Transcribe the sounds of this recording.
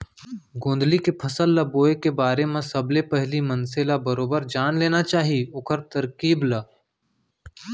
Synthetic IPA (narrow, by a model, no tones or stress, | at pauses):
ɡõːnd̪likepʰɐsəlːɐboːekebaːɾemẽsɐblepɛɦlimɐ̃nselabɐɾoːbəɾd͡ʒaːnleːnat͡ʃaːɦiʊkʰəɾt̪ɐɾkiːblɐ